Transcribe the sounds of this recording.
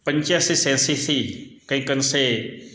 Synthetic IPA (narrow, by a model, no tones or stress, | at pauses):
pəɲt͡ʃasisẽnsisʰikəĩkənse